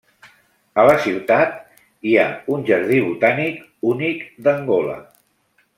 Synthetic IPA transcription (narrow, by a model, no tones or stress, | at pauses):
ələsiwt̪at̪ | iaunʲʒəɾð̞iβut̪anik | unikd̪əŋɡolə̰